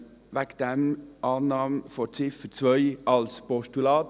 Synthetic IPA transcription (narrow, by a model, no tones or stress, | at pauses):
ʋɛkd̪̥ɛmʔɑːnːɑːmfɔɾt͡sɪfət͡sʋœʏɑlspɔʃtʉlɑːt̪